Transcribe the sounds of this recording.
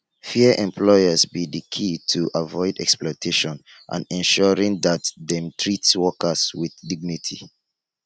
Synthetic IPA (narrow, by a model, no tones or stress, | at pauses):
fiəʔɛ̃mpʰlɔɪəzbidəkʰitʰuʔavɔɪdɛksplɔtʰeʃɔ̃n | ʔã̰nɛ̃nʃɔɹĩŋðatðɛ̃mtʰɹitswɔkəswiθdiɡ̚nitʰḭ